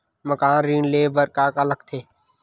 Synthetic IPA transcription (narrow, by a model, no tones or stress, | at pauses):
məkaːnɾiːɳleːbəɾkaːkələkt̪ʰeː